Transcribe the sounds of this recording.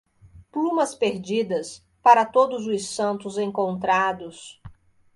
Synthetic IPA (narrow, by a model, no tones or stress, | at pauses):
plũmɐspeɾd͡ʒid̪ɐs | paɾɐt̪od̪ʊzʊsɐ̃nt̪ʊzẽŋkõnt̪ɾad̪ʊs